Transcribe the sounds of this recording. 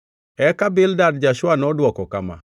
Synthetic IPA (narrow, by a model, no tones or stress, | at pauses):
ɛkabɪldadd͡ʒaʃwanɔdwɔkɔkama̰